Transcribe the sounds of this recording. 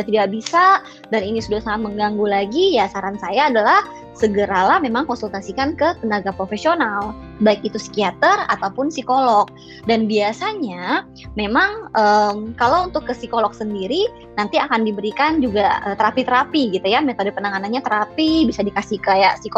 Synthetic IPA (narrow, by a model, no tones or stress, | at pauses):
jat̪idakbisa | daninisudahsaŋat̪̚məŋɡaŋɡulaɡijasaɾansajaːdalah | səɡəɾalahmemaŋkɔnsult̪asikankət̪ənaɡapɾofesional | baik̚it̪usi̥kiat̪əra̰t̪awpʊnsikolɔk̚ | danbiasaɲa | memaŋʔəmkalowunt̪ʊkːəsikolɔk̚səndiɾi | nant̪iakandibəɾikand͡ʒuɡaət̪əɾapit̪əɾapiɡit̪ujamet̪odəpənaŋananɲat̪əɾapibisadikasikajaʔsik